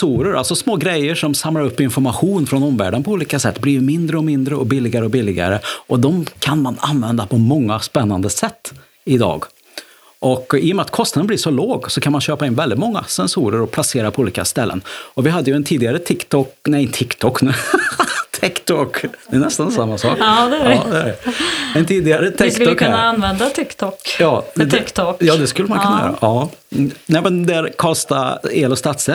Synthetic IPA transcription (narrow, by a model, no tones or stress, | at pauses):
suːɾəɾʔa̰lsɔsmoːɡɾɛjəʂɔmsamlaɾɵpːɪnfɔɾmaɧuːnfɾɔnɔmvæ̰ːɖənpʰɔuːliːkasɛt̪ːblimɪnd̪ɾəɔmɪnd̪ɾəɔbɪlːɪɡaɾəɔbɪlːɪɡa̰ɾəʔɔd̪ɔmkʰanmananvɛnd̪apʰɔmɔŋːaspɛnːand̪əsɛt̪ː | ɪd̪ɑ̰ːɡ | ʔɔkɪːjɔmɛat̪̚kʰɔst̪ad̪ənb̪lɪːʂɔloːɡsɔkʰanmanɕøːpaɪnvɛld̪ɪt̪mɔŋːa̰sɛnsuːɾəɾɔplaseːɾapʰɔuːliːkast̪ɛlːə̰nɔvɪɦad̪ːəjɵɛnt̪ʰiːd̪ɪɡaɾət̪ʰɪkt̪ʰɔknɛɪnt̪ʰɪkːt̪ʰɔkːnʉ̟ː | t̪ʰɪkt̪ʰɔkd̪ɛɛnɛst̪ansamːasɑ̰ːkd̪ɛd̪ɛæɖɛɛnt̪ʰiːd̪ɪɡaɾət̪ʰskt̪ɔknːaanʋɛnd̪at̪ʰɪkt̪ʰɔkjɑːɛd̪ɪkt̪ɔkjɑːd̪ɛskɵlːəmankʰɵnajø̰ːɾa̰ʔɑːnɛmɛnd̪æɾkʰɔst̪aeːlɔst̪at̪sɛ